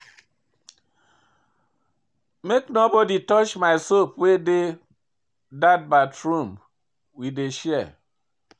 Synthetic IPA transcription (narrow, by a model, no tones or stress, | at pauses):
meknobɔditɔt͡ʃmaɪsopwede | dat̚batɹũm | wideʃɛɛ